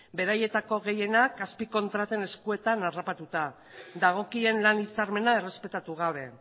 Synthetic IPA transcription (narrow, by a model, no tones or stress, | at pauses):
be̞ɾaje̞t̪ako̞ɣe̞je̞nakaspiko̞nt̪ɾat̪e̞ne̞skue̞t̪anarapat̪ut̪a | d̪aɣ̞o̞kie̞nlanit͡saɾme̞nae̞re̞spe̞t̪at̪uɣ̞aβ̞e̞